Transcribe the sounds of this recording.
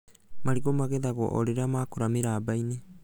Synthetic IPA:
maɾiɡomaɡedaɡo̰ʔo̰ɾeɾamaːkoɾameɾabajne

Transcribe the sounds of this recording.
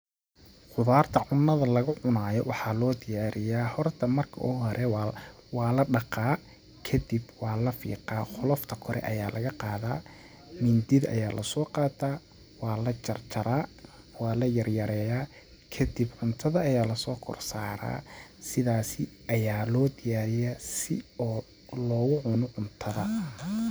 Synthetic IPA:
qʊðaːrt̪ʰɐʕʊnːɐðɐlɐɣʊʕʊnaːjɔwɑħɑːlɔːd̪ɪjaːɾɪjaːhɔrt̪ʰɐmɐrkʰɐʔuːɦɔɾʔɛ | wɑːlɐɖɑqɑː | kʰɐd̪ibwɑːlɐfḭːqɑːχʊlɔft̪ʰɐkʰɔɾʔɛ̰ʔɐjaːlɐɣɐqɑːðaː | mɪnd̪ɪðɐ̰jaːlɐsɔːqɑːt̪ʰaː | wɑːlɐt͡ʃɐrt͡ʃɐɾaː | wɑːlɐjɐrjɐɾɛːjaː | kʰɐd̪ibʕʊnt̪ʰɐðɐɐjaːlɐsɔːkʰɔ̰rsaːɾa̰ːsɪðaːsɪʔɐjaːlɔːd̪ɪjaːɾɪjɐsɪ̰ɔː | lɔːɣʊʕʊnɔʕʊnt̪ʰɐðɐ

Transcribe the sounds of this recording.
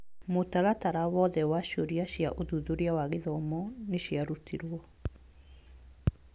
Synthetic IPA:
motaɾataɾawɔðɛwaɕoɾiaɕjaʔoðuðoɾjawaɣeðɔmɔneɕjaɾutʰiɾwɔ

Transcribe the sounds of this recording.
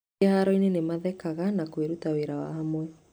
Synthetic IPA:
ehaɾɔinenemaðɛkaɣanakweɾutaweɾawa̰hamwɛ

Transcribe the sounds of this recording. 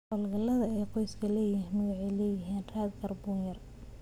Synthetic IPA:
ɔlɡɐlːɐðɐɛːqɔjskʰɐlɛːjiːnmɐɣɑʕilɛːjɪɦiːnraːd̪ɡɐrbuːnjɐr

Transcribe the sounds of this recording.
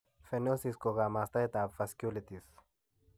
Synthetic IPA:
fenosiskoɣamast̪aet̪apfaskʲulit̪is

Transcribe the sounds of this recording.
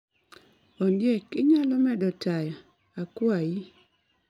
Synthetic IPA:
ɔndjekɪɲalɔmɛdɔtajaː | kwaji

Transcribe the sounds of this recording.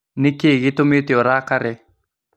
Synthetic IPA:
nikeɡit̪umit̪ioɾaːkaɾe

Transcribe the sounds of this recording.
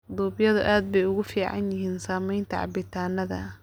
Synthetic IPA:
d̪uːbjɐðʊʔaːd̪̚bɛjʊɣʊfiːʕɑ̰njɪɦiːnsaːmɛjnt̪ʰɐ̰ʕɑ̰bɪt̪ʰaːnɐðɐ̰

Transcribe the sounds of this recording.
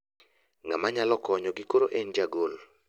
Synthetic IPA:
ŋamaɲalɔkɔɲɔɡɪkoɾoʔɛnd͡ʒaɡol

